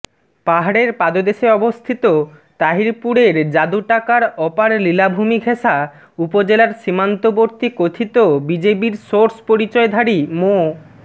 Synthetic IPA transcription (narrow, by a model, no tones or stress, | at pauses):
paɦaɽeɾpad̪od̪eʃeɔbost̪ʰit̪o | t̪aɦiɾpuɽeɾd͡ʑad̪uʈakaɾɔpaɾlilabʱumiɡʱʰeʃa | upod͡ʑelaɾʃimant̪oboɾt̪ikot̪ʰit̪obid͡ʑepiɾsoɾspoɾit͡ɕɔed̪ʱaɾimo